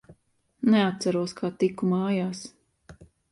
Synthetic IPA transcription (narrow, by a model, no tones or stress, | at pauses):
nɛat̪t̪saɾuɔskʰaːt̪ikːumaːjaːs